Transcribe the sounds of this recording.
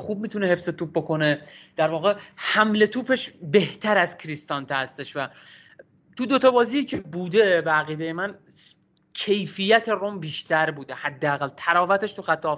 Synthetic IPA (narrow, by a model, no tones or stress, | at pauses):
xuːb̚miːt̪ʰunehe̞fse̞t̪uːp̚bo̞ko̞ne̞d̪̥æɾvɒːɣehæmle̞t̪ʰuːpʰe̞ʃbe̞ht̪ʰæɾæzkʰɾist̪ɒnt̪ʰehæst̪e̞ʃvæ | t̪ʰud̪o̞t̪ʰɒbɒːzijiːcʰebuːd̪e̞beæɣiːd̪ejemæn | cʰe̞jfijæt̪ʰe̞rombiːʃt̪ʰæɾbuːd̪e̞hæd̪ːeæɣælt̪ʰæɾɒːvæt̪ʰe̞ʃt̪uxæt̪ʰːɒː